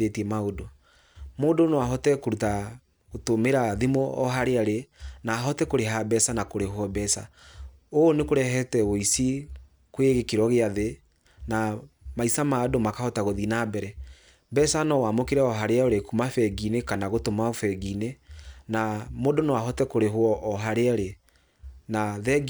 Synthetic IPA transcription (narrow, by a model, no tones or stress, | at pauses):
etiɛmaodo | moːdonewaɦɔtɛkoɾuta | ɣotomeɾaðimɔɔ̰ɦaɾeaɾenaːɦɔtɛkoɾeɦabɛsanakoɾeɦɔbɛsa̰ | onekoɾɛɦɛtɛoisi | kweɣekeɾɔɣeaðe | namaisamadomakahɔtaɣoðinabɛɾɛ | bɛsanɔwamokeɾɛɔɦaɾeaoɾekumafɛɡinekanaɣotomafɛɡinenamodonowaɦɔtɛkoɾeɦwɔʔːɦaɾeaɾe | naðɛ